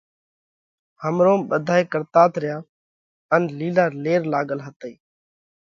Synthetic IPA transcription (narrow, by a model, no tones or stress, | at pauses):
həmɾõːmɓəd̪ʱaːeːkəɾt̪aːt̪ɾɪjaː | ənliːlaːɾleːɾlaːɠəlɦət̪əiː